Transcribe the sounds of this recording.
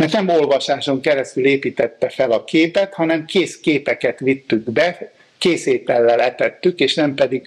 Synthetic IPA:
mɛrt̪nɛmo̞lvɒʃaːʃo̞ŋkɛɾɛst̪yleːpiːt̪ɛt̪ːɛfɛlɒkʰeːpɛt̪hɒnɛmkeːskeːpɛkɛt̪ʋit̪ːyɡbɛ | keːseːt̪ɛlːɛlɛt̪ɛt̪ːykeːʃnɛmpɛd̪iɡ

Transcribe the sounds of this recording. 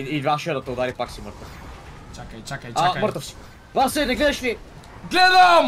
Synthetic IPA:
ivaʃɛd̪ɐt̪ɐʊd̪aɾipaksiməɾt̪ɐf | t͡ʃakt͡ʃakaməɾt̪ɐfsi̥k | vasɛnɛɡlɛðɐʃli | ɡlɛd̪ɐm

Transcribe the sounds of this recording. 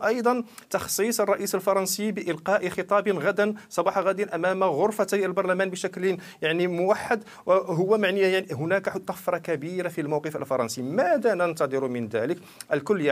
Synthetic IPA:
ʔɑjd̪ˤɑnt̪ɑxsˤisˤərˤːɑʔisəlfɑɾˤɑnsibəʔɪlqɑːʔxət̪ˤɑbənɣæd̪ənsˤɑbɑːħɑɣad̪ənʔæmæmaɣʊɾfat̪lbɑɾˤlæmænbəʃækl | jaʕnimʊwaħːad̪ | wɦʊwːæmaʕnijaʕnɦʊnækħʊt̪ˤːɑfɾˤɑkæbiɾafilmawqəfə̰lfɑɾˤɑnsimæd̪ænənt̪ɑd̪ˤəɾumənd̪æ̰lək | ʔəlkʊlːj

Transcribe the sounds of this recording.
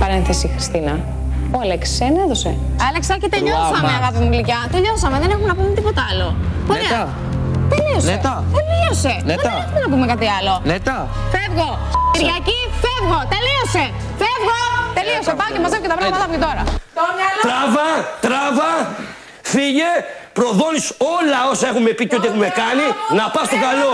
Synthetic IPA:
pɐɾenθesixɾist̪inɐ | oɐlekseneðo̞se | ɐleksɐcet̪eʎosmɐmeɐɣɐpimulicɐt̪eʎo̞sɐme̞ðenexumenɐpumet̪ipo̞t̪ɐɐlo̞ | oeɐ | t̪elio̞set̪ɐt̪eliose̞neðnexumenɐpume̞kɐt̪iɐlo̞net̪ɐ | fevɣo | iɾɣɐcifevɣo̞t̪eliose̞ | fevɣot̪e̞lio̞sepɐocemɐzevocet̪ɐpɾɐɣmɐt̪ɐpoket̪o̞ɾɐ | t̪ɾɐvɐt̪ɾɐvɐ | fiʝepɾo̞ðo̞nisolɐosɐexume̞piceo̞t̪iexume̞kɐninɐpɐst̪o̞kɐlo̞

